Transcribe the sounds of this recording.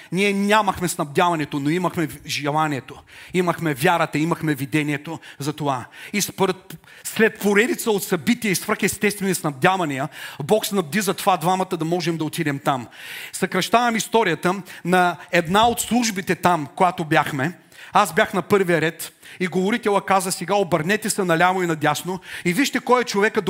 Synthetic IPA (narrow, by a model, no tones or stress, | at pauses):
niɛnʲamɐxmɛsnɐbd̪ʲavɐnɛt̪onoimɐxmɛʒɛlˠanʲiɛt̪oimɐxmɛvʲjaɾət̪ɐimɐxmɛvid̪ɛniɛt̪ozɐt̪ovaispɾɛt̪̚ | slɛt̪̚poɾɛd̪it̪səot̪sɐbit̪ijəisvɾəxɛst̪ɛst̪vɛnisnɐvd̪ʲjavɐnijəbɔksnɐbd̪izɐt̪ovad̪vamɐt̪əd̪ɐmɔʒɛmd̪ɐot̪id̪ɛmt̪amsɐkɾɐʃt̪avɐmist̪ɔɾijət̪ənɐɛd̪naot̪slˠuʒbit̪ɛt̪amkojat̪objaxmɛ | azbʲjaxnɐpɤɾvijəɾɛt̪iɡovoɾit̪ɛlˠəkazəsɛɡaobɐɾnɛt̪ɛsɛnɐlʲamoinɐd̪ʲasnoiviʃt̪ɛkɔjɐt͡ʃovɛkəd̪